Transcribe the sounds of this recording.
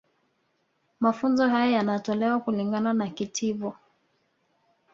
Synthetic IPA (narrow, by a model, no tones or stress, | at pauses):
mafunzɔɦajajanatɔlɛwakuliŋɡananakitʰivɔ